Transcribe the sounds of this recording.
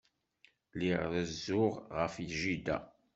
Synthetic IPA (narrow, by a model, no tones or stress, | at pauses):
liʁðəzːʊʁʁəfjʒid̪æ̰